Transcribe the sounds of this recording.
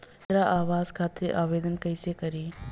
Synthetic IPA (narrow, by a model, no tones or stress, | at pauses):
t̪ɾaʔaːʋaːzkʰaːt̪ɾiʔaːʋeːd̪ənkɐɪsekɐɾiː